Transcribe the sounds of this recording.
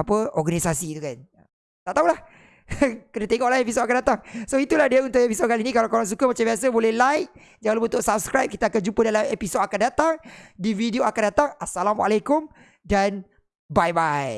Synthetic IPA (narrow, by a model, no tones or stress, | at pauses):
apəɔɡanisasit̪ukanə | t̪aʔt̪aulah | kənat̪eŋɔʔlahepis̬otakandat̪aŋsoit̪uladiaunt̪ʊʔepisod̚kalinĩkalawkoɾaŋs̬ukəmat͡ʃambiasəbolɛhlajk̚ | d͡ʒaŋalubənt̪ʊʔsap̚skɾajp̚kit̪akand͡ʒupədalamepisodakandat̪aŋdivideoakandat̪aŋasalamwaalekʊm | dan | bajbaj